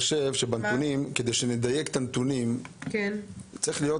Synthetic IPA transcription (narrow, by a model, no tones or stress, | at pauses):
ʃevʃebant̪unimke̞d̪ejʃened̪ajekt̪ant̪unimkt͡sʁiχlijo̞